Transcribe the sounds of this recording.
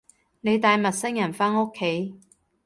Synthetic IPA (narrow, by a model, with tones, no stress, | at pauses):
ne˨˧jt̪aː˨jmɐ˨t̚sɪ˥ŋjɐ˨˩nfaː˥no˥kʰːe˨˥j